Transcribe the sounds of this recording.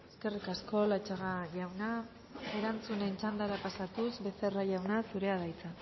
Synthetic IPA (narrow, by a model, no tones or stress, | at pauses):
e̞ske̞rikasko̞lat͡ʃaɣaʝawna | e̞ɾant͡sune̞nt͡ʃand̪aɾapasat̪usbe̞se̞raʝawnasuɾe̞að̞ajt͡sa